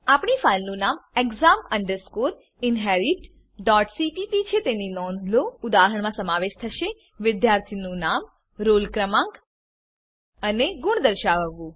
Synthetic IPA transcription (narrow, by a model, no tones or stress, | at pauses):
apɳifalnũnameɡzaməɳɖəɾskoɾ | ɪnɦɛɾiʈ | ɖɔʈsiʈipit͡ʃʰet̪eninɔnd̪loʊd̪aɦəɳmãsəmaʋeʃt̪ʰəʃe | ʋɪd̪jaɾt̪ʰinũnam | ɾolkɾəmãŋk | əneɡʊɳd̪əɾʃaʋəʋːũ